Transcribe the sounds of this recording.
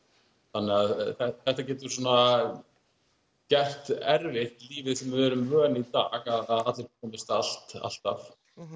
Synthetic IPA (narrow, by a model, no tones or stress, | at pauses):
θanːɛaðθɛθɛht̪acɛːt̪̬ʏɾ̥sɔːna | cɛr̥t̪ɛɾvɪht̪liːvɪsɛmvɪvɛːɾʏmrœːnit̪aːɣaðaðat̪lɪɾkʰɔːmɪst̪al̥t̪a̰l̥t̪af